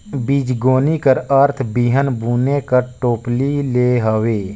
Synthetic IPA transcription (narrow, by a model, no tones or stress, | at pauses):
biːd͡ʒɡoːnikəɾəɾt̪ʰbiːɦənbuːnekəɾʈoːplileːɦəweː